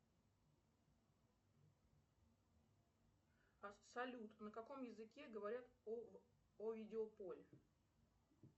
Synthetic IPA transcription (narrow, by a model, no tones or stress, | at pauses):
ɐsɐlʲut̪nəkɐko̞mjɪzɨkʲe̞ɡəvɐɾʲat̪ | ovʲidʲɪopolʲɪ